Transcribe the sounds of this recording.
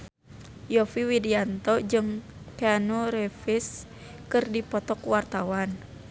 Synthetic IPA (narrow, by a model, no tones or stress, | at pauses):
jɔfiwidiant̪ɔd͡ʒɨŋ | keanuɾɛfis | kɨrdipɔt̪ɔkwart̪awan